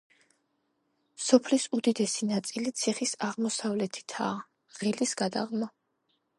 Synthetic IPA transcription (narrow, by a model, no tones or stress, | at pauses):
sɔpʰlisud̪id̪ɛsinat̪sʼilit̪sʰiχisaʁmɔsavlɛt̪ʰi̥t̪ʰaː | ʁ̥ilisɡ̥ad̪a̰ʁmɔ